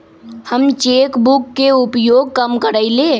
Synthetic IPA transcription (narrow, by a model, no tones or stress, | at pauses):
həmt͡ʃeːkbʊkːeʊpjoːɡ̚kəmkəɾaileː